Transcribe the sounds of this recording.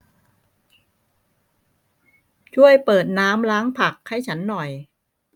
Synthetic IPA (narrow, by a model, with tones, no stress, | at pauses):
t͡ɕʰu˥˩əjpɤː˨˩t̪̚naː˦˥mlaː˦˥ŋpʰa˨˩k̚ha˥˩jt͡ɕʰa˦˥nːɔ˨˩j